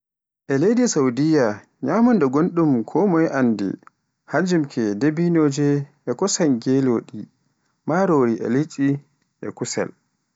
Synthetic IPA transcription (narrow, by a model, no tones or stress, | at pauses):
ʔɛlejdisawdija | ɲaːmɔndɛɡonɗumkʰɔmɔjʔandḭ | haɲd͡ʒumkʰɛdebinoːd͡ʒɛʔɛkɔsaŋɡeloɗi | maɾoɾiʔɛ̰lit͡ʃʼi | ʔɛ̰kusɛ̰l